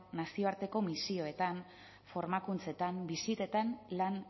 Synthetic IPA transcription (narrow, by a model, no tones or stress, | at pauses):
nasio̞aɾt̪e̞ko̞misio̞e̞t̪an | fo̞ɾmakunt͡se̞t̪ambisit̪e̞t̪anlan